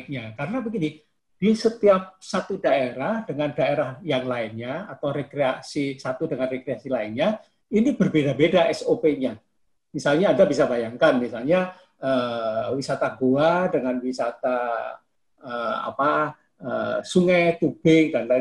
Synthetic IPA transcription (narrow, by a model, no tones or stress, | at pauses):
k̚ɲakaɾənapəɡini | d̥isət̪iap̚sat̪udaeɾahd̥əŋandaeɾahjaŋlaɪnɲaat̪awɾekɾeasisat̪udəŋanrekɾeasilaɪnɲa | inibərbedabedaʔɛsopeɲa | misalɲaːndabisabajaŋkanmisalɲa | əːwisat̪aɡuadəŋanwisat̪a | əa̰pa | ə̰suŋajt̪ub̥ɪŋdanla